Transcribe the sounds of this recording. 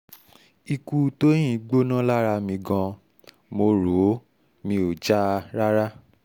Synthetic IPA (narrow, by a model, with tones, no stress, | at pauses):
i˧ku˧tõ˦ĩ˦˨˦ɡ͡bo˦nã˦la˦ɾa˧mĩ˧ɡã˧ | mo˧ɾo˨˦ | mĩ˧o˨d͡ʒa˦˧ɾa˦ɾa˦